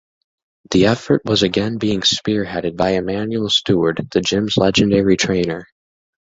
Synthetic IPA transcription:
ðiɛfə˞ʔ̚wʌzɨɡɛ̃nbiɪ̃ŋspɪɹɦɛɾɨd̚baɪɨmæ̃njul̩ˠstuə˞d̪̚ðɨd͡ʒɪ̃mzlɛd͡ʒɨ̃ndɛɹitʰɹ̥ẽɪ̃nə˞

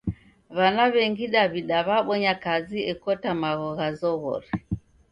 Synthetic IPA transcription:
βanaβɛŋɡiɗaβiɗaβaɓɔɲakaziɛkɔtamaɣɔɣazɔɣɔ̰ɾi

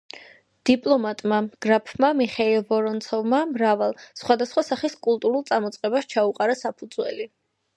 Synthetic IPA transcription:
d̪̥ipʼlˠɔmat̪ʼmamɡ̥ɾapʰmamiχailˠvɔɾɔnt̪sʰɔvmamɾavalˠsχwad̪asχwasaχiskʼulˠt̪ʼuɾulˠt̪sʼamɔt̪sʼqʼɛbaʃt͡ʃʰauqʼaɾasapʰud̪zwɛ̰li

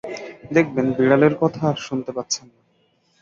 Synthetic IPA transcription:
d̪ek̚ʰbenbiɽaleɾkɔt̪ʰaɾʃunt̪epat̪ːɕʰanːa

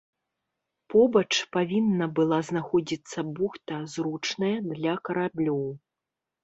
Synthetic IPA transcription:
pɔbɐt͡ʂpavʲinːɐbɨlˠaznaxɔd͡zʲit̪sːɐbuxt̪ɐzɾut͡ʂnɐjɐd̪lʲɐkɐɾablʲɔw

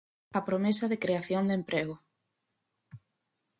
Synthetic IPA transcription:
ɐpɾomesɐðɪkɾeaθjond̪empɾeɣ̞ʊ

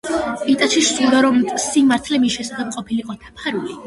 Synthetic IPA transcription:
it̪ʼat͡ʃʰiʃt̪ild̪aɾɔmsimaɾt̪ʰlɛmisʃɛsaχɛb̚qʼɔpʰiliqʼɔd̪̥apʰaɾuli

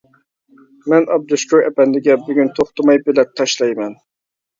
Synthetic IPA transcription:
mɛnɑb̚d̪uʃkʲuɾɛ̰pɛnd̪ɪɡʲɛbyɡʲynt̪ʰoχt̪ʊmɑjbɪlɛp̚t̪ʰɑʃlˠɑjmɛn

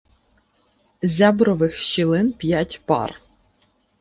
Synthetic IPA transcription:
zʲabɾɔʋɪxʃt͡ʃilˠɪnpʲjatʲpɑ̰r

